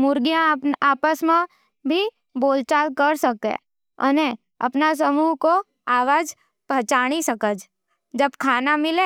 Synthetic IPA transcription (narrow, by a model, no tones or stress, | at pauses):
mʊɾɡijãaːpəsmẽ | bʱi | boːlt͡ʃaːlkəɾsəkḛ̃ | ə̰ne | ɐ̰pnas̬əmuːɦko | aːʋaːd͡ʒ | pət͡ʃaːɽ̃isəkəd͡ʒ | d͡ʒəbkʰaːnamɪlẽː